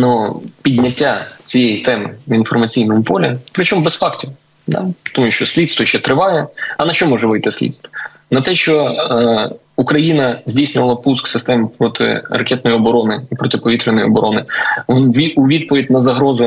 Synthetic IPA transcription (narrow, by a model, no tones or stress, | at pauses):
nupʲidʲnʲɐtʲːat͡sʲijejit̪ɛmɪ̰infɔrmɐt͡sʲijnɔmʊpɔlʲɪpɾɪt͡ʃɔmbɛsfɑktʲiw | d̪ɑ̰t̪ɔmuʃʲt͡ʃɔsʲlʲid̪st̪ʋɔʃt͡ʃɛt̪ɾɪʋɑjɛɐnɐʃt͡ʃɔmɔʒɛʋɪjt̪ɪsʲlʲḭt̪st̪ʋɔ | nɐt̪ɛʃt͡ʃɔ | ukɾɐjinɐzʲdʲijsʲnʲʊʋɐlˠɐpusksɪst̪ɛmpɾɔt̪ʰɪ̰ɾɐkʲɛt̪̚nɔjiɔbɔɾɔnɪipɾɔt̪ɪpɔʋʲit̪ɾɪnɔjɔ̰bɔɾʔɔnɪʋɔnʋʲiuʋʲid̪̚pɔʋʲid̚ʲnɐzɐɦɾɔzʊ